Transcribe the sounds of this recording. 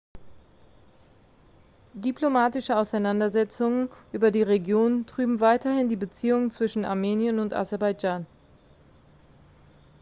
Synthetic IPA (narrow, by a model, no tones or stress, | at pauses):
diplomaːtɪʃəaʊsaɪnandɐzɛt͡sʊŋənʔyːbɐdiːʁeɡjoːntʁ̥yːbm̩vaɪtɐhɪndiːbət͡siːʊŋənt͡sv̥ɪʃn̩a̰ɐmeːnjənʊnta̰zɛɐbaɪd͡ʒaːn